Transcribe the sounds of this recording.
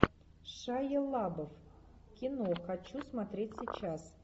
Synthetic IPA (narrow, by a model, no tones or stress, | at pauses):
ʂajelˠabof | kʲinoxat͡ɕːusmat̪ɾʲet̚ʲsʲit͡ɕas